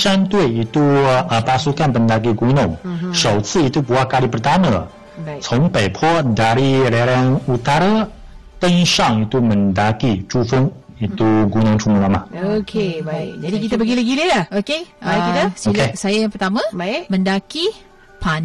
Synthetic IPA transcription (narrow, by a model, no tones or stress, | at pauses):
ʃant̪ueit̪uəpasukanpəndak̬iɡunʊŋʃəwt͡sɨit̪ubuakalipərt̪amə̃ | sʰɔŋpejpʰɔdaɾiɾeɾaanut̪aɾa | t̪əŋʃaŋit̪umə̃ndakit͡ʃufʊŋ | it̪uɡunʊ̃ŋtʰumulamaʔokʰead͡ʒadikit̪abaɡiləɡililaokeait̪asolkesajajaŋpərt̪amãmə̃ndaki | pʰan